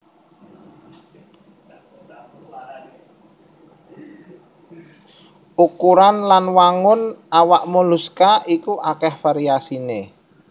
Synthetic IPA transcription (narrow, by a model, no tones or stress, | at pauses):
ʔukuɾanlanwaŋʊnʔawaʔmoluskaikuʔakɛhfaɾiasine